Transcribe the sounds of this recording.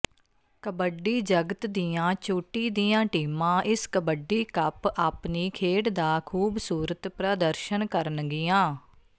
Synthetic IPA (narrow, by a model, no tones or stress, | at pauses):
kəbəɖiːd͡ʒəɡət̪d̪ijãːt͡ʃoːʈiːd̪iːãːʈiːmãːʔɪskəbəɖiːkəpaːpniːkʰeːɽd̪aːkʰuːbsuːɾət̪pɾaːd̪əɾʃənkəɾənɡɪjãː